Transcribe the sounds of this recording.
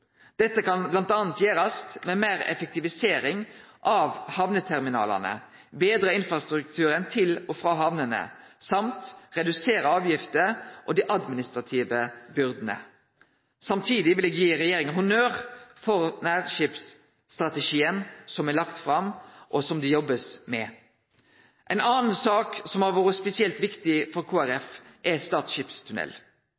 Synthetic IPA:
d̪̥ɛt̪ːəkɑnblɑnt̪ɑːnt̪jeːɾɑst̪mɛmeːɾɛ̰fɛk̚t̪ɪʋɪseːɾɪŋʔɑʋhɑʋnət̪ʰɛʁmɪnɑ̰ːlɑ̰nə̰ | beːd̪ɾəɪnfɾɑst̪ɾʉk̚t̪ʰʉːɾənt̪ʰɪlɔfɾɑːɦɑʋnənə̰sɑmt̪ʁɛd̪ʉseːɾəɑːʋjɪft̪əɾʔɔd̪iːʔɑd̪mɪnɪst̪ʁɑt̪ʰiːʋəbʏɾd̪n̩ə̰ | sɑmt̪ʰiːd̪ɪʋɪlɛɡjiːɾɛjeːɾɪŋənhʊnøːɾfɔɾnæːʁʃipsː | t̪ʁɑt̪əʃiːənsɔmɛlɑkt̪fɾɑmʔɔsɔmd̪ɪjɔbːəsmɛ | ʔɛɪnɑːnn̩sɑːksɔmæʁʋoːɾəspɛsɪɛlt̪ʋɪkt̪ɪfɔɾkʰuːæɾɛfʔɛst̪ɑːt̪sʃɪːpst̪ʰʉnɛ̰l

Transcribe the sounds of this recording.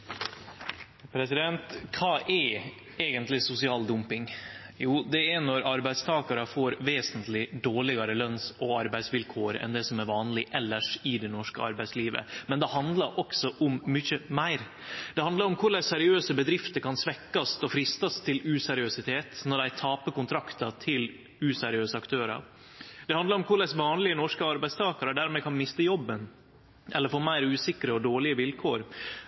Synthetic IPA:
pʰɾɛsɪd̪ɛnt̪kʰɑːʔɛ | eːɡənt̪lɪsʊsɪɑːld̪ʊmpɪŋjuːd̪ɛænɔɾɑɾbæɪst̪ʰɑːkɑɾəfoːɾʋeːsənt̪lɪd̪oːɭɪɡɑɾəlœnsɔɑɾbæɪsʋɪlkʰoːɾɛ̰nd̪ɛsɔmæɾʋɑːnlɪʔɛlːəʂɪd̪ɛnɔʂkə̰ɑ̰ɾbæɪtsliːʋə̰mɛnd̪ɛhɑnd̪lɑɾʔɔksɔʔʊmːʏçəmæɪɾ | d̪̥ɛhɑnd̪lɑɾɔmkʰʊɾɭæsɛɾɪøːsəbəd̪ɾɪft̪əɾkʰɑnsʋɛkːɑst̪ɔfɾɪst̪ɑst̪ʰɪlʉsɛɾɪøsɪt̪ʰeːt̪nɔɖ̪æɪt̪ʰɑːpəkʊnt̪ʰɾɑkt̪ɑt̪ʰɪl | ʉsɛɾɪøːsəɑkt̪ʰøːɾɑ̰ɾ | d̪̥ɛhɑnd̪ɑɾɔmkʰʊɾɭɛsʋɑːnlɪənɔʂkəɑɾbæɪst̪ʰɑːkɑɾɔd̪æɾmɛːkʰɑnmɪst̪əjɔbːən | ʔɛlːəɾfɔːɾmæɪɾʉːsɪkɾəɔd̪oːɭɪəʋɪlkʰoːɾ

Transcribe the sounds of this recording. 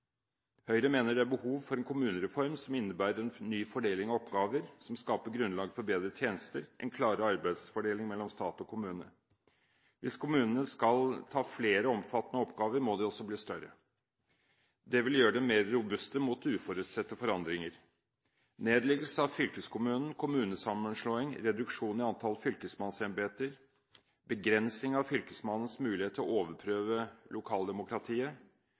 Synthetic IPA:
hœʏɾəmeːnəɖɛæɾbəhuːʋfɔɾɛnkʰʊmʉːnəɾɛfɔɾmsɔmɪnːəbæːɾəɾɛnnːyːfɔɖeːlɪŋɑɔpɡɑːʋəɾsɔmskɑːpəɡɾʉnlɑːɡfɔɾbeːd̪ɾət̪ʰjeːnəst̪əɾʔɛ̰nkʰlɑːɾəɑɾbæɪd̪sfɔɖeːlɪŋmɛlːɔmst̪ɑːt̪ɔkʰʊmʉːnə̰ | ʋʔɪskʰʊmʉːnənəskɑlt̪ʰɑːfleːɾəɔmfɑt̪ːənəɔpɡɑːʋəɾmod̪ɛɔsɔbliːst̪œɾə̰ | d̪ɛʋɪljøːəɖ̪ɛmeːɾːʊbʉst̪əmuːt̪ʉːfɔɾʉːt̪sɛt̪ːəfɔɾɑnd̪ɾɪŋəɾ | neːd̪lɪɡl̩səɑʋfʏlkəskʰʊmʉːnn̩kʰʊmʉːnəsɑmːənʂɭoːɪŋɾɛd̪ʉkʂuːnɪɑnt̪ʰɑlfʏlkəsmɑnsɛnbeːt̪əɾ | bəɡɾɛnsɪŋɑʋfʏlkəsmɑnən̩smʉːlɪheːt̪ʰːɔ̰oːʋəpʰɾøːʋəlʔʊkʰɑːld̪ɛmʊkɾɑt̪ʰiːə

